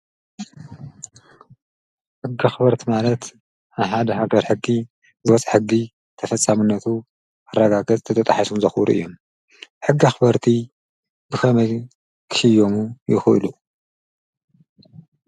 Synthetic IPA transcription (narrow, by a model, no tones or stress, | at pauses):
ħɨɡːaxbɐɾt̪ʰimalɐt̪ | aβħad̪ɐɦaɡɐɾħɨɡːi | zɨwɐt͡sʼħɨɡːi | t̪ʰɐfɐt͡sʼːamɨnːɐt̪ʰu | ɐrːɐɡaɡɐt͡sʼt̪ʰɐt̪ʰɐt̪ʼaħasumzɐxɾṵʔɨ̰jːom | ħɨɡːiaxɨbɐɾt̪ʰi | b̥ɨxʰɐmɐj | kʰɨ̥ʃɨjːo̞mujɪxʔɨlu